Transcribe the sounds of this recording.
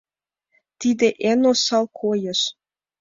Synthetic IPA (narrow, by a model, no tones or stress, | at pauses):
t̪id̪eʔenosɑlˠkʰojə̆ʃ